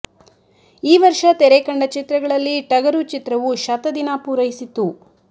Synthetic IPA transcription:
iːʋɐɾʂɐt̪ɛɾekɐɳɖɐt͡ʃit̪ɾɐɡɐɭɐlːiʈɐɡɐɾut͡ʃit̪ɾɐʋuʃɐt̪ɐd̪inaːpuːɾɐjisit̪u

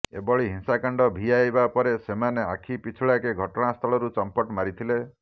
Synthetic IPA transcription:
ḛbɔɭiɦĩnsakaɳɖɔbʱijajbapɔɾesemaneakʰipit͡ʃʰuɭakeɡʱɔʈɔɽ̃ast̪ʰɔɭɔɾut͡ʃɔmpɔʈmaɾit̪ʰile

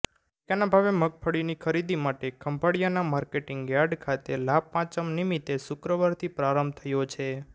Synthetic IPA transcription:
kɛnabʱaʋemək̚pʰəɽinikʰəɾid̪imaʈekəmbʱəɽijanamaɾkeʈiŋɡjaɖkʰat̪elap̚pãt͡ʃəmnimit̪esʊkɾəʋəɾt̪ʰipɾaɾəmbt̪ʰəjot͡ʃʰe

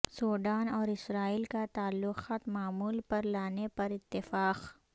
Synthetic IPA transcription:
soːɖaːnɔːɾɪsɾaːiːlkat̪aːlːʊqaːt̪maːmuːlpɐɾlaːnepɐɾɪt̪ːɪfaːq

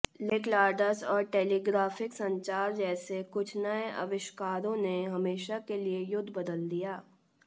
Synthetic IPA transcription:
leːklaːɾɖəsɔːɾʈeːliːɡɾaːfʰɪksɐ̃ɲt͡ʃaːɾd͡ʒɛːsekʊt͡ʃʰnɐẽʔɐ̰ʋɪʃkaːɾõneɦɐmeːʃakeliejʊd̪ʱːbɐd̪əld̪ijaː

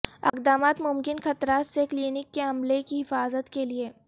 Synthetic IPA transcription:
ɐ̰qd̪aːmaːt̪mʊmkɪnxɐt̪ɾaːt̪sekliːnɪkːeɦɐmlekiɦɪfaːzət̪kelie

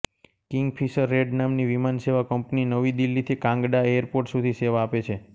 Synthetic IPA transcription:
kiŋɡpʰisəɾːeɖnamniʋimanseʋakəmpninəʋid̪ilːit̪ʰikãŋɡɖaejəɾpoɾʈsud̪ʱiseʋaːpet͡ʃʰe

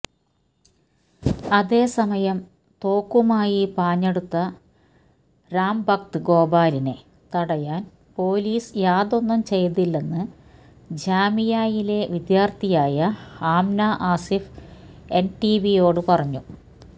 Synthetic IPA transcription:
ɐðe̞ːsɐmɐjɐm | t̪o̞ːkːumaːjipaːɲːeɽut̪ːɐ | ɾaːmbɐk̚t̪ɨɡo̞ːbaːline̞ | t̪ɐɽɐjaːn | po̞ːliːsjaːðo̞nːumt͡ɕe̞jt̪ilːe̞nːɨ | d͡ʑaːmijaːjile̞ʋid̪jaːrt̪ijaːjɐhaːmnaʔaːsife̞nʈiʋijo̞ːɽɨpɐrɐɲːu

